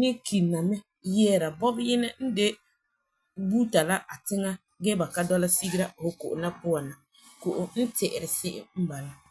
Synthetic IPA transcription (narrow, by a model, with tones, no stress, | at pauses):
nɪ˦kʰi˨na˨mɛ˦ | jɛː˦ɾa˨bɔ˦bjɪ˦nɛ˦n̩˦de˦ | buː˦ta˨la˦ʔa˨tɪ˦ŋa˦ | ɡɛ˦ba˨ka˦dɔ˦la˦si˦ɡi˦ɾa˦˨ho˦ko̰˨ʔʊ˨na˦pʊ˦a˨na˨ | ko˨ʔʊ˨n̩˦tɛ˨ʔɪ˨ɾɪ˨sɪ˦ʔɪ̰˦m̩˦ba˨la˦